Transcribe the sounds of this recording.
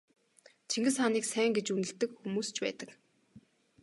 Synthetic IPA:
t͡ɕʰiŋɡɘ̆sχaniːksæːŋɡet͡ɕunɘ̆ɬt̪ɘ̆kxumuːst͡ɕʰpæ̰ːt̪ə̆k

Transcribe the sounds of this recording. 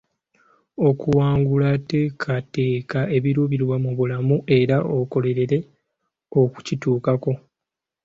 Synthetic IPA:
o̞kuwaːŋɡulate̞ːkʰate̞ːkae̞βiɾuβiɾwamuβulamuʔe̞ɾaʔoko̞le̞ɾe̞ɾe̞ | o̞ku̥cituːkako̞

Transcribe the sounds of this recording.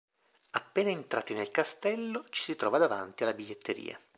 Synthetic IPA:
apːeːnaent̪ɾa̰ːt̪inelkast̪ɛlːot͡ʃi̥sit̪ɾɔ̰ːvad̪ava̰nt̪ialːabiʎːet̪ːeɾḭːa̰

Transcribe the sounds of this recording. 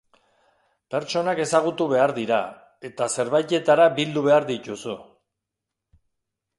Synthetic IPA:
pe̞ɾt͡ʃo̞nake̞saɣ̞ut̪uβe̞aɾðiɾa | e̞t̪ase̞ɾβajt̪e̞t̪aɾabild̪uβe̞aɾðic̪usu

